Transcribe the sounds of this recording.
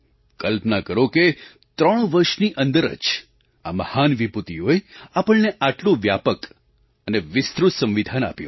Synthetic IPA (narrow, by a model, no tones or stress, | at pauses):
kəlpnakəɾoke | t̪ɾəɳ̃ʋəɾʃniʔənd̪əɾə̰t͡ʃ | a̰məhanʋiput̪ioeapəɭneʔaʈlõʋjapək | əneʋɪst̪ɾut̪sə̃mʋid̪ʱana̰pjõ̰